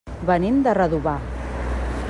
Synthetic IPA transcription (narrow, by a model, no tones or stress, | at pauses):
βənend̪ərəðuβa